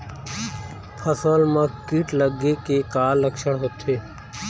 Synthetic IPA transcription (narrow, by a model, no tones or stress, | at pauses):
pʰəsoːlmãːkiːʈləɡeːkeːkaːlːəkʃəɽɦot̪ʰeː